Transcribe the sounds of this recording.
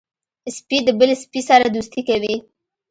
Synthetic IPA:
spid̪əbəlespisaɾad̪ust̪ikawi

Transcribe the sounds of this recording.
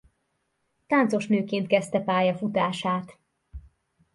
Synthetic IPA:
t̪aːnt̪so̞ʃnøːkeːnt̪̚kɛst̪ɛpaːjɒfut̪aːʃaːt̪

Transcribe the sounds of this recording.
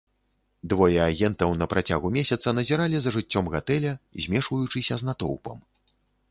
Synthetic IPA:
d̪vɔjɛaɣʲɛnt̪ɐwnɐpɾat͡sʲaɣumʲesʲɐt̪sɐnɐzʲɛɾalʲizɐʐɨt͡sʲːɔmɣat̪ɛlʲɐzʲmʲɛʂvɐjut͡ʂɨsʲɐznat̪ɔ̰wpɐ̰m

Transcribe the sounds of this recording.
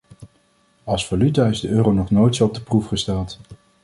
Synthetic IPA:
ɑlˠsvalytaɪzdəʔøːrownɔχnojtsoɔb̚dəprufχəstɛlˠt

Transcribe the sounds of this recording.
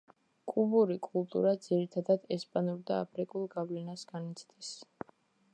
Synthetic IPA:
kʼubuɾikʼulˠt̪ʼṵɾad̪z̥iɾit̪ʰad̪ad̪ɛspʼanuɾd̪aːpʰɾikʼulˠɡavlɛnasɡanit̪sʰd̪ɛs

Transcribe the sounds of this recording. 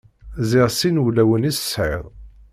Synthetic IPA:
zɪʁsinulæwənissʕə̰ðˤ

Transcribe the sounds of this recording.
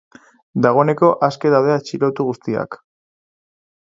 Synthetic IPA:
d̪aɣ̞o̞ne̞ko̞ʔaske̞ðawðeat͡ʃiɾo̞t̪uɣust̪ia̰k

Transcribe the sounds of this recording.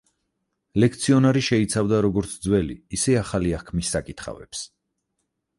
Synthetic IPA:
lɛk̚ʰt̪sʰiɔnaɾiʃɛit̪sʰavd̪aɾɔɡɔɾt̪sʰd̪zwɛliːsɛaχaliahkʰmisːakʼit̪ʰχa̰vɛ̰ps

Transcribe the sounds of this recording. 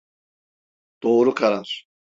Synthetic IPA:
d̪̥oːɾukʰaɾaɾ̥

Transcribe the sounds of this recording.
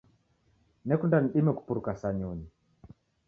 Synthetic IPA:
nɛkundaniɗimɛku̥puɾukasaɲɔɲi

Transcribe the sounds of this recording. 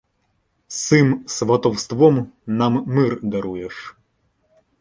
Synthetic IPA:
sɪmsʋɐt̪ɔwst̪ʋɔmnɑmːɪrd̪ɐɾujeʂ

